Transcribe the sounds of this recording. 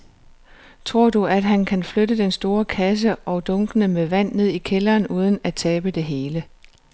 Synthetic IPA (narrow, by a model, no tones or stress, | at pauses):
t͡sʰʁo̝ɐ̰d̥uæd̥ɦænkʰænflødəd̥ensd̥o̝ːɐkʰæs̬əʔɒ̽ʊd̥ɔ̽ŋɡ̥ənəmeʋæn̰ːe̝ð̰ˠikʰelɐːnuːð̞ˠən̩æt͡sʰɛːb̥əd̥e̝ɦe̝ːlə